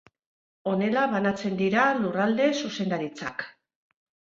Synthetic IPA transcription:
o̞ne̞laβanat͡se̞nd̪iɾalurald̪e̞suse̞nd̪aɾit͡sa̰k

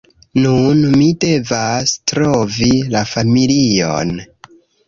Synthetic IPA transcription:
nunmide̞vastɾovilafamilio̰n

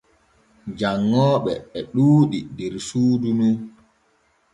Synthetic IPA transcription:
d͡ʒaŋːɔːɓɛːɗuːɗidɛɾsuːdunu

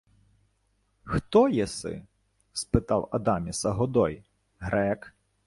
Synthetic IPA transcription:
xt̪ɔjɛsɪ̰ | spɪt̪ɑwɐd̪ɑmʲisɐɦɔd̪ɔj | ɦɾɛk

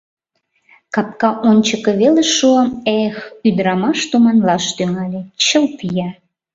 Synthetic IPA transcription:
kɑp̚kɑʔonʲt͡ɕəkĕβeleʃuəmexyd̪ɾɑmɑʃt̪umɑnlɑʃt̪yŋɑlʲet͡ɕəlp̪ijɑ

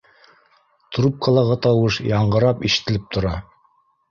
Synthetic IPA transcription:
t̪rup̚kʰɑlˠɑʁɤt̪ɑwɤʃjɑɴɢɤ̆ɾɑpiʃɘ̥̆t̪ːɘ̆lɘp̚t̪ʰŏɾɑ

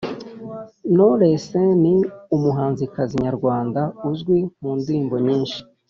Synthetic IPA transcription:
noɾeseniumuɦaːnzikaziɲaɾɡwaːndauzɡwimuːndiiːmbo̞ɲiːnʃi̥

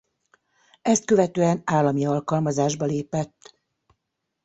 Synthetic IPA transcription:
ɛst̪̚kø̞vɛt̪øːɛnaːlːɒmiɒlkɒlmɒzaːʒbɒleːpɛt̪ː

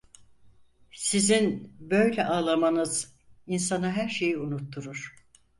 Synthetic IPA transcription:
sizinbø̞jlʲɛʔaːlˠamanɯz̥ | insanaɦæɾʃe̞jiunut̪ʰːuɾuɾ̥

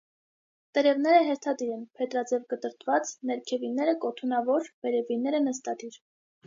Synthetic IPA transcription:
t̪əɾɛvnɛɾəɦɛɾt̪ʰɑd̪iɾɛnpʰɛt̪ɾɑd͡zɛvɡət̪əɾt̪ʰvɑt͡snɛɾkʰɛvinɛɾəkɔt̪ʰunɑvɔɾvɛɾɛvinɛɾənəst̪ɑd̪iɾ

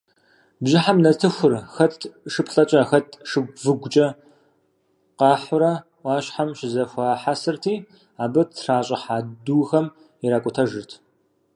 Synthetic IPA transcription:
bʒɪħamnɐtʰɨxʷʊrxɐtʰʂɨpɬʼɐt͡ʃʼɐxɐtʰʂɨɡ̚ʷvɨɡʷʊt͡ʃʼɐ | qɑːħʊɾɐ | ʔɑːɕħamʃɪzɐxʷaːħasɨrtʰiː | aːbɐtʰraːɕʼɐħaːduːxɐm | iɾaːkʷʼʊtʰɐʒɨrtʰ

